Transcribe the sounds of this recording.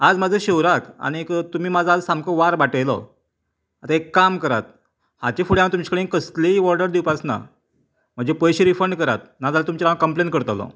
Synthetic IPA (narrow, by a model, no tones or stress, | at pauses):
ad͡zmad͡zʱəɕewɾaka̰ɽ̃ikt̪um̤iːmad͡zʱad͡zsamkəʋaɾbaʈəjlɔ̰ | at̪aekːamkəɾat̪̚ | hat͡ɕefuɽjãmt̪umt͡ɕi̥kəɽẽkəsliʋɔɾɖəɾd̪iwpat͡sna̰ | m̤əɳd͡zepəjɕiɾifəɳɖkəɾat̪̚nad͡zalat̪umt͡ɕiɾãakəmplenʈkəɾt̪alɔ̰